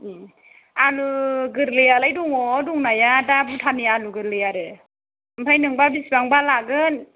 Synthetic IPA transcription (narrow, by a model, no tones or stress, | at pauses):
aluɡɯɾlɯjalajduŋɔduŋnajadabutʰanialuɡɯɾlɯjaɾɯ | mpʰajnɯŋbabisbaŋbalaɡɯn